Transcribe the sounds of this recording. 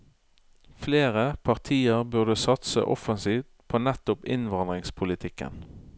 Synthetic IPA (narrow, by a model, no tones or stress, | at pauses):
fleːʁəpʰɑʁt̪ʰiːəʁbʉʁd̪əsɑt̪sə̰ʔɔfənsiːft̪pʰoːnɛt̪ʊpɪnʋɑnd̪ʁɪŋspʰʊlɪt̪ʰɪkə̰n